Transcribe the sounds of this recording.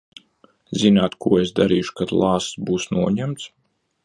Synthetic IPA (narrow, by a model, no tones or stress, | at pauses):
zinaːt̪kuɔesd̪aɾiːʃu̥kad̪lˠɑːsbuːsnuɔɲæmt̪s